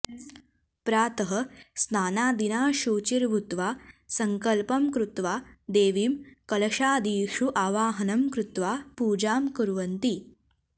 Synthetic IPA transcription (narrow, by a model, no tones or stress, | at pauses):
pɾaːt̪ɐɦɐsnaːnaːd̪inaːʃuːt͡ʃiɾʋut̪ʋaːsɐŋkɐlpɐmkɾut̪ʋaːd̪eːʋiːmkɐlɐʃaːd̪iːʂuʔaːʋaːɦɐnɐmkɾut̪ʋaːpuːd͡ʒaːmkuɾʋɐnt̪i